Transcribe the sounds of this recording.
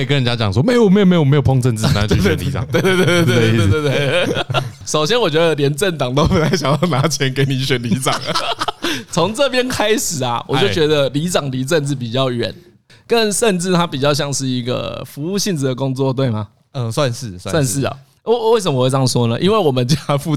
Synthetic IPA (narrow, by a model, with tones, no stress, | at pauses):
e˥˨kə˦nɻə˧˦nt͡ɕja˦˥t͡ɕjɑ̰˨˩ŋswɔ˥me˥ɪ˨ɔ˨m˧˥jo˨˩me˧˥jo˨˩me˧˥jpʰo˥˧ŋt͡sə˥˧nt͡sɻ̩˥˧˩ɛ˨nlḭ˨˦t͡sɑ̰˨˩ŋwe˥˧t̪e˥˧t̪e˥˧t̪ːt̪t̪t̪e˥˧˥ | ʂo˨˩ʊɕjɛ˥nwɔ˨˩t͡ɕɥɛ˧˥d̪ə˨ljɛ˧˥nt͡sə˥˩nt̪ɑ˨˩ŋt̪o˥ʊpu˨˩t͡sa˥ɪɕja˨˩ŋjɑ˥˩ʊna˧˥t͡ɕʰjɛ˧˦nke˧˥ɪni˨ɕɥɛ˨˦nli˧˥ʈ͡ʂɑ˨˩˦ŋ | t͡sʰo˧˥ŋt͡sə˥˨pjɛ˦˥nkʰa˥ɪʂɻ̩˨˩a˩wɔ̰˨˩t͡ɕjo˥˩t͡ɕɥɛ˧˦d̪ə˧li˧˥ʈ͡ʂɑ˨˩ŋli˧˥t͡sə˥˧nt͡s̩˥˩p̬i˨˩t͡ɕjɑ˥˩ʊɥɛ̰˨˩˦n | kə˦nʂə˥˧nʈ͡ʂɻ̩˥˩t̪ʰa˦pi˨˩t͡ɕjɑ˥˧ʊɕ̬jɑ˥˧ŋʂɻ̩˥˩i˧˦˥ɡə̰˨˩fu˧˥u˥˧ɕi˥˧˩ŋd͡z̩˨d̪ə˩kʊ˦ŋt͡swɔ˥˨t̪we˥˩ɪma˩ | ə˧˩swa˥˧nʂɻ̩˥˩swswa˥˧nʂɻ̩˥˩ɐ̰˨˩˧ | we˥˩ɪsə˨˩mə˧˨we˥˧˥ŋswɔ˦˥nə˨ʔḭ˦nwe˥˩ɪwɔ˨˩mə˨nt͡ɕfu˥˧